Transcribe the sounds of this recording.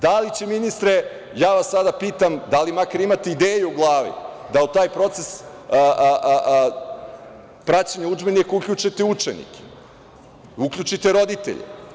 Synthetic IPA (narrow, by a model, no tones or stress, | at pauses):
d̪alit͡ɕeminist̪ɾe | jaːʋasːad̪apiːt̪amd̪alimakaɾimat̪eid̪eːjuuɡlˠaːʋḭd̪aut̪aːjpɾo̞t̪ses | pɾat͡ɕaɲaud͡ʒbenikukʎut͡ʃet̪eut͡ʂenḭke̥ | ukʎut͡ʃit̪e̞ɾo̞d̪it̪ḛʎḛ